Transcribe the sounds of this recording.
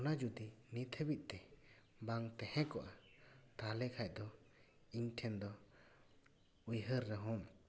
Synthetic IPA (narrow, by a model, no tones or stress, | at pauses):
ɔnad͡ʒud̪init̪ʰebit̪̚ˀt̪ɛ | baŋt̪ɛhɛ̃kɔʔat̪alɛkʰaj̚ˀd̪ɔ | iɲʈʰɛnd̪ɔ | ujɦəɾːɛɦɔm